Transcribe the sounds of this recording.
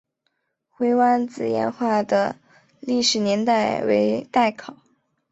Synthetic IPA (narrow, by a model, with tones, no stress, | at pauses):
xwe˧˥ɪwa˥nt͡sɹ̩˨˩jɛ̰˧˥nxwa˥˩d̪ə˩ | li˥˩ʂɻ̩˨˩njɛ˧˥nt̪a˥˩ɪwḛ˧˥ɪt̪a˥˩ɪkʰɑ˨˩˦ʊ